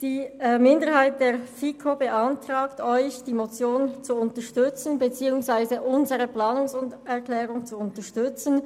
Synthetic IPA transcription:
d̥iːmɪndəʁhaɪt̚d̥eːɐfikʰobəʔantʁ̥aːktɔʏçd̥iːmot͡sjoːnt͡suʊntəʃtʏt͡sn̩bət͡siːʊŋsv̥aɪzəʔʊnzəʁəplaːnʊŋsʊnɛɐklɛːʁʊŋt͡suʊntəʃtʏt͡sn

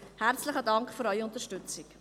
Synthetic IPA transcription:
hært͡slɪχədɑŋkχfyɾœʏʊntəɾʃtʏt͡sɪk

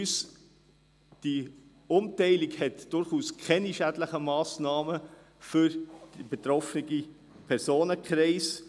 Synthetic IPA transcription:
ys | d̥i | ʊmtɛɪlikhɛtd̥ʊɾχuːskʰɛniʃædləχəmɑːsnɑːmə | fʏɾ̥ibetɾɔfniɡi | pʰɛɾsoːnəkχɾeɪs

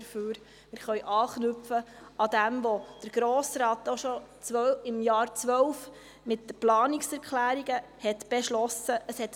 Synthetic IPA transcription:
ɾføːɾ | mɪːɾχœɥʔɑːχnʏfə | ɑd̪æmʋod̥əɾɡ̥ɾoːsɾɑːt̪oʃɔt͡sʋœɪmjɑːɾt͡sʋœwf | mɪtːəplɑːnɪksɛɾkχlæːɾiɡəhɛt̪b̥ɛʃlɔsəʔəshɛt

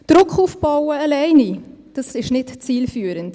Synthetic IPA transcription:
d̥ɾʊkχuːfb̥ɑwəɑlɛɪnid̥ɑsɪʃnɪtt͡siːlfyːəɾənt

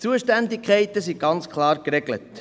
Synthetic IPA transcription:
t͡suəʃtændɪkʰχɛɪtəsiɡ̥ɑnt͡skʰlɑːɾkɾɛɡlə̰t

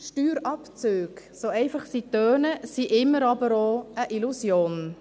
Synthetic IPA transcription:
ʃtyːɾɑpt͡søːɡsoɛɪfɑχsitøːnəsiʔɪmːəɾɑbəɾoəʔilusjoːn

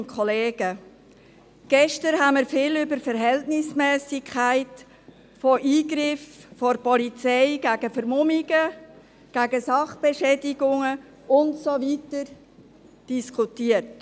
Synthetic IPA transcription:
nkʰɔleːɡ̥ə | ɡ̥ɛʃtəɾhaməɾfɪːlʏbəɾfəɾɦɛltnɪsmɛːsɪkʰχaɪt | fɔʔiːɡɾɪffɔɾpɔlit͡sɛɪɡ̥æɡ̥əfəɾmʊmiɡə | ɡ̥æɡəsɑχb̥eʃɛːdɪɡʊŋə | ʊntsovitəɾ | d̥iskʰutiːət

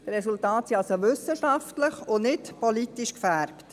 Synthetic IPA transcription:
d̥̪əɾɛsultɑːtsiɑlsoʋʏsəʃɑftləχʊnɪtpɔlitiʃkfæɾpt

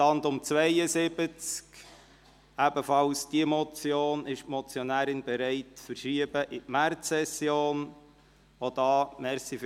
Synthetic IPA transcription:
ɑndʊmt͡svɛɪəzɪbət͡sk | æbəfɑlsd̥iəmɔt͡sjoːnɪʃtmɔt͡sjonæːɾɪnbɛɾɛɪtfəɾʃiəbəʔɪtmæɾt͡sːɛsjoːn | ʋod̥ɑːmɛɾsif

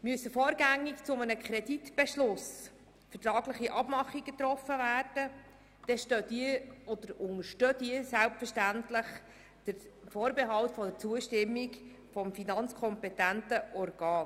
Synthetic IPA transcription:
myəsəfɔːɾɡæŋːikt͡sʊmənəkχɾɛditb̥ɛʃlʊs | fətɾɑːɡləχiʔɑb̥mɑχiɡət̪ɾɔfːəvæːrd̥ə | d̥ɛʃtødiɔd̥̪əɾʊŋəʃtøːdiəsælpfəʃtæntləχ | d̥əɾfoːɾbeɦɑltfɔdəɾt͡suəʃtɪmːik | fɔmfinɑnt͡skʰɔmpɛtæntəʔɔrɡɑːn

